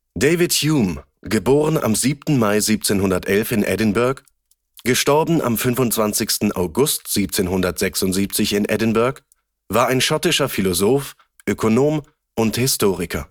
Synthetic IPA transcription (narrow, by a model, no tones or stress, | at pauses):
d̥eɪvɪtjjuːm | ɡəboːʁəna̰mziːp̚tn̩maɪziːp̚t͡seːnɦʊndɐtʔɛlfɪnʔɛ̰dɪnbʊɐk | ɡ̥əʃtɔɐbn̩ʔa̰mfʏnvʊntt͡sv̥ant͡sɪçstn̩ʔa̰ʊɡʊstz̥iːp̚t͡seːnɦʊndɐtz̥ɛksʊntz̥iːp̚t͡sɪçɪnʔɛ̰dɪnbʊɐk | vaːɐaɪnʃɔtɪʃɐfilozoːf | ʔøkʰonoːm | ʔʊnthɪstʰoːʁɪkʰɐ